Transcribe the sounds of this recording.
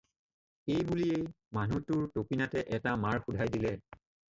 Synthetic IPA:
ejbuliej | manutʊɹtopinatɛʔɛtamaɹxudʱajdilɛ

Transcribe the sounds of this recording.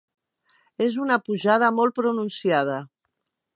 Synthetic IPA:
ezunəpuʒað̞əmɔl̚ˠpɾununsiað̞ə

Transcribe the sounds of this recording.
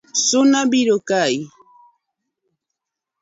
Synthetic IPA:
sʊnabɪɾʊkaj

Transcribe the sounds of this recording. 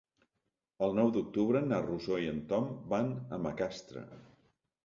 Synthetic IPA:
əlˠnɔwd̪uk̚t̪uβɾənaruzoiənt̪ɔmbanəməkast̪ɾə̰

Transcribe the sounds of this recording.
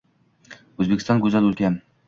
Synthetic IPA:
ɵzbekʲɪ̥st̪ɒnɡʲɵzælɵlkʲʰan

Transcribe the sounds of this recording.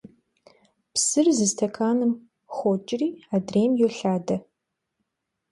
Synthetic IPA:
psɨrzɨstʰɐkʰaːnɨm | χʷɔt͡ʃʼɪriːaːdreːmjoɬaːdɐ

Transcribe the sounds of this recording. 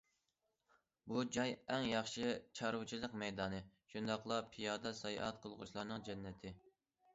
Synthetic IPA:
bud͡ʒɑjɛŋjɑχʃɨt͡ʃʰɑɾut͡ʃʰilˠəqmɛjd̪ɑːnɨʃund̪ɑχlˠɑpʰijɑːd̪ɑsɑjɑ̰ʔɑ̰t̪̚qʰəlˠʁʊ̰ʃlˠɑɾnɨŋd͡ʒɛnːɛt̪ʰɪ

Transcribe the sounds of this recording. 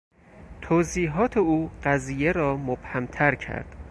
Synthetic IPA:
t̪ʰoːziːɦɒːt̪ʰeuːɢæziːjeɾɒːmob̥hæmt̪ʰæɾcʰæ̰ɾd̪̥

